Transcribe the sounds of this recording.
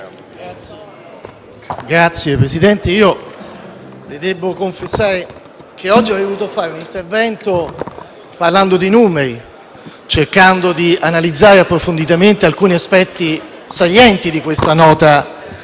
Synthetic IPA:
ɡɾat̪sːjepɾesid̪ɛnt̪eiːo | led̪ɛbːokoɱfesːaːɾe | k̟eɔd͡ʒːiɔd̪ovuːt̪ofaːɾeunint̪ervɛnt̪o | parland̪od̪inuːmeɾi | t͡ʃerkand̪od̪ianalid̪zːaːɾeapːɾofond̪it̪ament̪ealkuːniaspɛt̪ːi | saʎjːɛnt̪id̪ikwest̪anɔːt̪a

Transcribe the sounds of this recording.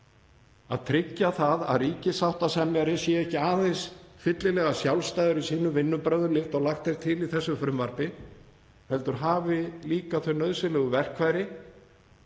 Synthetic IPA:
aðt̪ʰɾɪcːaθaða̰ðriːcɪsawht̪asɛmjaɾɪsjɛɛhcɪaːðɛnsfɪt̪lɪlɛɣasjawlst̪ajðʏɾisiːnʏvɪnːʏpɾœɥðʏlɪft̪ɔɣlaxt̪ejɾ̥t̪ʰɪliθɛsːʏfɾʏmvaɾ̥pɪ | hɛlt̪ʏɾ̥ɦaːvɪliːkaθœɥnœðsɪlɛɣʏvɛr̥kʰvaːjɾɪ

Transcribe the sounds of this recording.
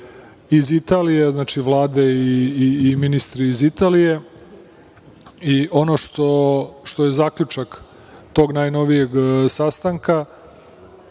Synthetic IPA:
izit̪aːlijeznaːt͡ʃiʋlˠaːd̪e̞iːminist̪ɾiːzit̪aːlije̞ | iʔo̞noʃt̪oʃt̪o̞je̞zaːkʎʲut͡ʃak | t̪o̞ːɡnajno̞ʋije̞ɡsast̪aŋka

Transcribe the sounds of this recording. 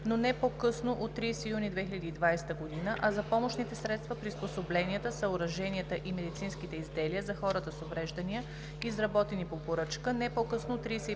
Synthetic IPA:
nonɛpokɤsnoʔot̪ːɾijsɛijunid̪vɛxilʲɐd̪iːd̪vajst̪əɡod̪inəʔɐzɐpɔmoʃnit̪ɛsɾɛt̪st̪vɐpɾisposoblɛniət̪əsəʊɾɐʒɛnʲiət̪əʔimɛd̪it̪sinskit̪ɛizd̪ɛliəzɐxɔɾət̪əsovɾɛʒd̪ɐniə | izɾɐbɔt̪ɛnipopoɾɤt͡ʃkənɛpokɤsnot̪ːɾiːsɛ

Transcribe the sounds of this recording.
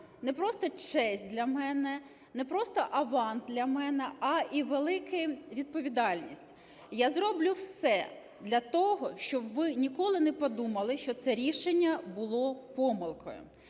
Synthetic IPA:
nɛpɾɔst̪ɔt͡ʃɛsʲt̚ʲd̪lʲɐmɛnɛ | nɛpɾɔst̪ɔʔɐʋɑnsd̪ʲlʲɐmɛnɛɐʔiʋelˠɪkɪʋʲid̪̚pɔʋʲid̪ɑlʲnʲḭsʲtʲ | jazɾɔblʲuwsɛ | d̪lʲɐt̪ɔɦɔʃt͡ʃɔbʋɪnʲikɔlˠɪnɛpɔd̪umɐlˠɪʃt͡ʃɔt̪sɛɾʲiʃenʲːɐbʊlˠɔpɔmɪlˠkɔ̰jʊ̰

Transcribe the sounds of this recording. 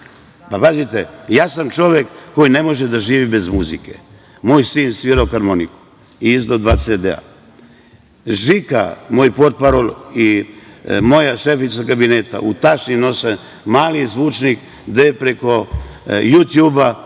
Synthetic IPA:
papazit̪ejaːsamt͡ʃo̞ʋjekːo̞jine̞mo̞ʒed̪aʒiːʋibe̞zmuzikḛ | moːjsiːnsʋiːɾaokaɾmoniku̥ | iizd̪od̪ʋased̪ea̰ | ʒika̰moːjpo̞ɾt̪̚paɾoli | mo̞jaʃefit̪sakabineːt̪a̰ʔut̪at͡ʃnino̞se | maːlizʋuːt͡ʃnik | d̪epɾe̞ko̞jut̪juːba

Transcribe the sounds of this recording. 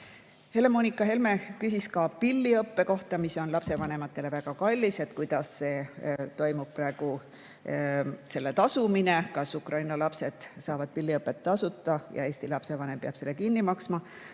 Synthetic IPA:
he̞le̞mo̞ːnikːˑɑɦe̞lme̞kysiskɑpilʲːiɤpːe̞ko̞ht̪ɑmiso̞nlɑpse̞vɑne̞mɑt̪ˑːe̞le̞væɡ̥ɑkɑlʲːise̞t̪kujd̪̥ɑsːe̞ːt̪o̞jmub̥̚prɑe̞ɡ̥u | se̞lːe̞t̪ɑsumine̞kɑsukrʔɑjnɑlɑpse̞d̪̥sɑːvɑd̪̚pilːiɤpːˑe̞t̪ːɑsut̪ːˑɑjɑ̰e̞ːsʲt̪ilɑpse̞vɑne̞mpeɑb̥se̞lːekinːimɑksmɑ

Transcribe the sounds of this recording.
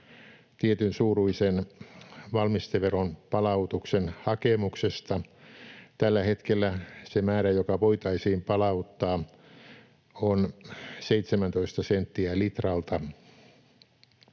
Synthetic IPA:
t̪iet̪ynsuːruisen | ʋɑlmist̪eʋeronpɑlɑut̪uksenhɑkemuksest̪ɑ | t̪ælːæhet̪kelːæsemæːɾæjokɑʋoit̪ɑisiːmpɑlɑut̪ːɑː | onseit̪semænt̪oist̪ɑsent̪ːiælit̪rɑlt̪ɑ

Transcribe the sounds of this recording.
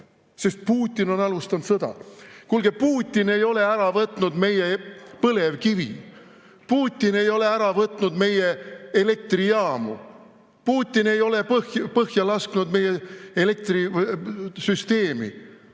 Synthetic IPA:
se̞st̪̚puːt̪ʲːˑino̞nɑlust̪ɑnd̪t̪sɤd̪̥ɑ̰kulɡ̥epuːt̪ʲːˑine̞jo̞le̞æɾɑvɤt̪ːˑnud̪me̞jepɤle̞vkivḭ | puːt̪ʲːˑine̞jo̞le̞æɾɑvɤt̪ˑnud̪me̞je̞ele̞k̚t̪riɑːmṵ | puːt̪ʲːine̞jo̞le̞pɤhjpɤhjɑlɑskunud̪me̞jːeele̞k̚t̪ri | syst̪e̞ːmḭ

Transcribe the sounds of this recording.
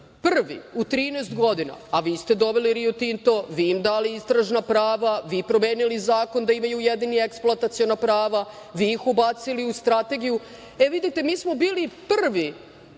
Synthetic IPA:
pr̩ʋḭut̪ɾiːnest̪ɡo̞d̪ina̰aʋiːst̪ed̪o̞ʋeliɾijot̪int̪o̞ʋiːmd̪aːliist̪ɾaʒnapɾaːʋaʋiːpɾomeːnilizaːko̞nd̪aimajujed̪inieksplˠoat̪at̪sijo̞napɾaːʋaʋiːxubat̪siliust̪ɾat̪e̞ɡiju | eʋid̪it̪emiːsmo̞biːlipr̩ʋi

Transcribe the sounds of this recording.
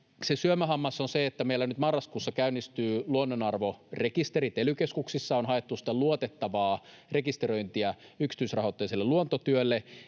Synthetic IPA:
sesyømæɦɑmːɑsonseet̪ːæmeilːænyt̪mɑrːɑskuːsːɑkæynːist̪yːluonːonɑrʋorekist̪eɾit̪elykeskuksisːɑonhɑet̪ːusi̥t̪ːˑeluot̪et̪ːɑʋɑː | rekist̪ero̞jnt̪iæyksi̥t̪ysrɑɦot̪ːejselːeluont̪ot̪yølːe

